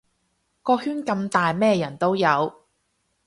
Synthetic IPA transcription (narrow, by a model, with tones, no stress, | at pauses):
kɔː˧hyː˥nkɐ˧mt̪aː˨jmɛː˥˧jɐ˨˩nt̪o˥wjɐ˨˧w